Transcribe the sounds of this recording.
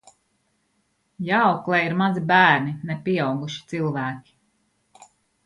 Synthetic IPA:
jawklˠɛjiɾmazibæːɾninɛpʲiɛawɡuʃi̥t̪silˠvæːkʲi̥

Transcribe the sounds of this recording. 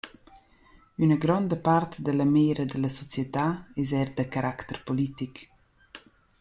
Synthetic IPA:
ynəɡɾɔnd̪əpart̪d̪ələmeːɾəd̪ələsɔt͡sjət̪aɛzɛɾd̪əkaɾakt̪əɾpolit̪ik

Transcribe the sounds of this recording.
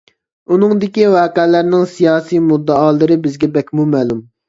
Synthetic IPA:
unɨŋd̪ɪkʲiwɑːqɛlæɾnɪŋsijɑːsijmud̪ːɑɑːlˠɨɾɨbɪzɡʲɛbɛkʲmumɛːlum

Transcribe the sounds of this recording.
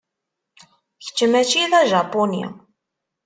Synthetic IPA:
çə̥t͡ʃːəmæt͡ʃːiðæʒɑponḭ

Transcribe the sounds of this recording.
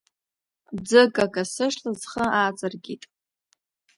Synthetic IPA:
d͡zɨkʼakʼasɨʂlazχəaːt͡sʼɨrɡʲitʼ

